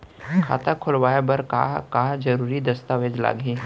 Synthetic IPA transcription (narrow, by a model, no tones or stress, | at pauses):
kʰa̰ːt̪akʰʊlʋaːebɐɾka̰kad͡ʒɐɾuːɾid̪ɐst̪aʋed͡ʒla̰ːɡĩː